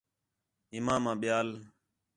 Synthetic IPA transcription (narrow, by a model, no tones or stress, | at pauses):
ɪmãːmãːɓɪjaːl